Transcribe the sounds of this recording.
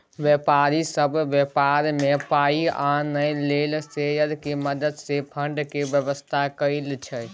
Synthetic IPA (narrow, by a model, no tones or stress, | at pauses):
ʋjepaɾisəbʱʋjepaɾmepaianəjlelsejəɾkeməd̪əd̪sepʰəɳɖkebjəʋəst̪ʰakəɪlt͡ʃʰə